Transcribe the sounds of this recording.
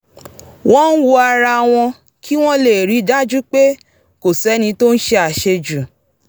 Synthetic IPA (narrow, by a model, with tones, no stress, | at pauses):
w̃ɔ̃˦n̩˦wu˦a˧ɾa˧w̃ɔ̃˧ | kʰi˦w̃ɔ̃˦le˨ɾi˨˦da˦d͡ʒu˦k͡pe˦ | ko˨sɛ˨˦nĩ˧to˦n̩˦ʃe˧a˨ʃe˧d͡ʒu˨